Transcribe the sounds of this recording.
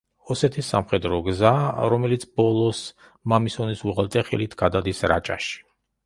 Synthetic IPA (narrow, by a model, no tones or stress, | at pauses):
ɔsɛt̪ʰisːamχɛd̪ɾɔɡzaɾɔmɛlit̪sʰbɔlˠɔs | mamisɔnisuʁɛlˠt̪ʼɛχḭlit̪ʰɡ̥ad̪ad̪isɾa̰t͡ʃʼa̰ʃi̥